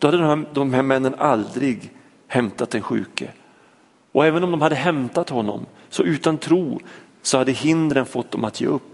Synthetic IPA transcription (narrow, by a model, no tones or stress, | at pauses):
d̪̥ɔad̪ːəd̪md̪ɔmɦæɾmɛnːənʔald̪ɾɪɡ | hɛmt̪at̪̚d̪ɛnɧʉ̟̰ːkə | ɔɛːvənɔmd̪ɔmhad̪ːəɦɛmt̪at̪hɔnːɔ̰m | sɔʔʉ̟ːt̪ant̪ʰɾuː | sɔhad̪ːəɦɪnd̪ɾənfɔt̪̚ːd̪ɔmat̪jḛːɵpː